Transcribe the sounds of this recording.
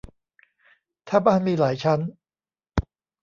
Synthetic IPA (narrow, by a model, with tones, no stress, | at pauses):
t̪ʰaː˥˧˩baː˥˩nmiː˧laː˩˦jt͡ɕʰa˦˥n